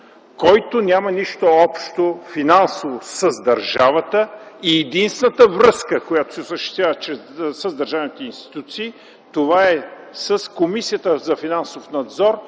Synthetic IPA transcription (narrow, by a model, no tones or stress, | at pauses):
kɔjt̪onʲamɐniʃt̪oɔpʃt̪ofinansovosəzd̪ɐɾʒavət̪əiɛd̪inst̪nət̪əvɾɤskəkojat̪o̥sɛosəʃt̪ɛ̥st̪vʲavət͡ʃɛsəzd̪ɐɾʒavnit̪ɛinst̪i̥t̪ut̪siː | t̪ovaɛ | səskomisijət̪əzɐfinansofnɐd̪zɔɾ